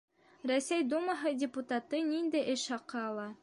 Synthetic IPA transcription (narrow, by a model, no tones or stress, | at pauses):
ɾæsæjd̪umɑɦɤdʲɪput̪at̪ɤnind̪ɘʔɘʃhɑqɤɑlˠɑ